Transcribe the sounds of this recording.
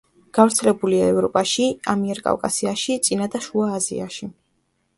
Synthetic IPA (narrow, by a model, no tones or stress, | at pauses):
ɡ̥avɾt̪sʰɛlɛbuliaɛvɾɔpʼaʃiamiɛɾkʼa̰vkʼa̰siaʃit̪sʼinad̪aʃuaːzḭa̰ʃi